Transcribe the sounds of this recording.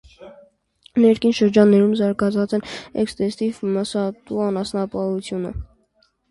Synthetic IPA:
nɛɾkʰinʃəɾd͡ʒɑnːɛɾumzɑɾɡɑt͡sʰɑt͡sɛnɛ̰kst̪ɛsivməsɑt̪uɑnɑsnɑpɑut͡sʰjunə̰

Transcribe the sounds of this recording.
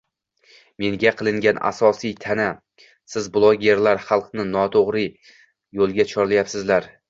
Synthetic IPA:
me̞ŋɡʲaqʰɨlˠɪŋɡʲana̰sɒsijt̪ʰana | sɪzblˠoɡʲe̞ɾlaɾχɑlˠqnɪnɒt̪ʰoʁɾɪ | jolˠɡʲat͡ʃʰɒɾlajapsɪzlaɾ

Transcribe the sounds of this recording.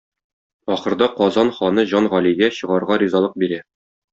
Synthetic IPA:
ɒχɤ̆ɾd̪ɑqɒzɑnχɒnɤʑɒnʁɒlijɡæɕɤ̆ʁɑɾʁɑɾʲizɑlˠɤq̚biɾæ

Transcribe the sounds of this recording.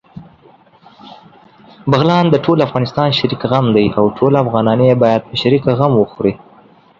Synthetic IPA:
baɣlɑnd̪əʈʰolafɣɑnɪst̪ɑnʃaɾikɣamd̪ajawʈʰolafɣɑnɑnəjebɑjad̪̚pəʃaɾikaɣamwəxɾi

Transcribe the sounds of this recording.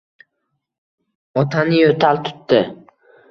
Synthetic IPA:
ɒt̪ʰanɪjot̪ʰalt̪ʰʊ̥t̪ːɪ

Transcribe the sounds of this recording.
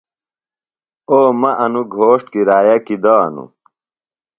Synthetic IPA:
oːmɐʔɐnuɡʱoːʂʈkiɾaːjɐkid̪aːnṵ

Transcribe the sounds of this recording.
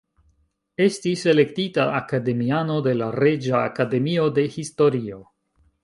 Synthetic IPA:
e̞stise̞le̞ktitaːkade̞miano̞de̞laɾe̞d͡ʒa̰ːkade̞mio̞de̞histo̞ɾio̞

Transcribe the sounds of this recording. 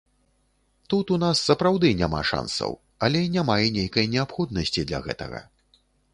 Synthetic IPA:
t̪ut̪unasːɐpɾawd̪ɨnʲama̰ʂa̰nsɐ̰w | ɐlʲɛinʲamajɛnʲejkɐjnʲɛapxɔd̪̚nɐsʲt͡sʲid̪lʲɐ̰ɣɛ̰t̪ɐ̰ɣɐ̰

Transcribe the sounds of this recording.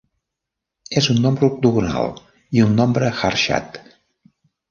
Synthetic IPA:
ezunːɔmbɾuk̚t̪uɣuna̰lˠ | iunːɔmbɾəxarʃa̰t̪

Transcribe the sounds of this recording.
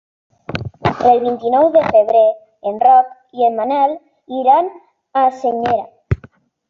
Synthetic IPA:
elβint̪inɔwðefeβɾeː | nrɔk | iemːanal | iɾan | aseɲeɾa̰

